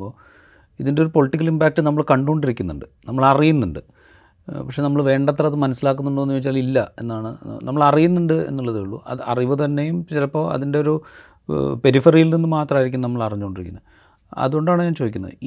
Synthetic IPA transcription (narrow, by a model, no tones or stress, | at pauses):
oː | iðinde̞oɾupo̞ɭiʈːik̬ʲːɐlimbaːk̚ʈːɨnɐmːɐɭkɐɳɖuɣoɳɖiɾikʲːunːṵɳɖɨnɐmːɐɭɐrijunːuɳɖɨ | pɐkʂe̞nɐmːɐɭʋe̞ːɳɖɐt̪ːrɐɐðɨmɐnɐsːilaːk̬ːunːuɳɖoonːiʋet͡ɕːaːlilːɐe̞̰nːaːɳɨnɐ̰mːɐɭɐrijunːuɳɖɨe̞̰nːuɭːɐðɨeɭːṵʔɐ̰ɐ̰riʋɐt̪ɐnːe̞jumt͡ɕilɐpːo̞ːɐ̰ðinde̞o̞ɾu | pe̞ɾifɐrijilninːɨmaːt̪rɐmːiɾikʲːunɐnɐmːɐɭɐriɲːukoɳɖiɾikʲːunːɐ | ɐ̰ðuɣo̞ɳɖaːɳɨɲaːnt͡ɕo̞ːd̪ikʲːunːɐ̰ðɨ